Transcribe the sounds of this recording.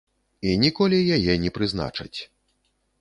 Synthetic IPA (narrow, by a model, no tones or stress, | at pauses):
inʲikɔlʲijajɛnʲɛpɾɨzna̰t͡ʂɐ̰t͡sʲ